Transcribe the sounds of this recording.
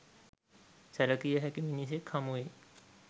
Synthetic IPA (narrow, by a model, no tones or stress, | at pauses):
sɐɾəkijeɦɛkimɪnis̬ekʰɐmɦoeː